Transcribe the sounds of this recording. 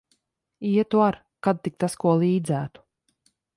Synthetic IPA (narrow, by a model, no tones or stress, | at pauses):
iɛt̪uaɾ | kad̪̚t̪ik̚t̪askuɔlˠiːd̪zæːt̪u̥